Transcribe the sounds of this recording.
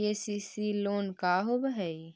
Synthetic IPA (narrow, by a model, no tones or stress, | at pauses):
eːsisiloːnkaːɦoːbəɦəi